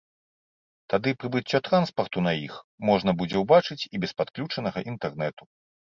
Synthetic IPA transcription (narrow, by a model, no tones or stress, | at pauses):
t̪ad̪ɨpɾɨbɨt͡sʲːɔt̪ɾanspɐrt̪unɐjixmɔʐnɐbud͡zʲɛwbat͡ʂɨt͡sʲibʲɛspat̪klʲut͡ʂɐnɐɣɐʔint̪ɛrnɛt̪u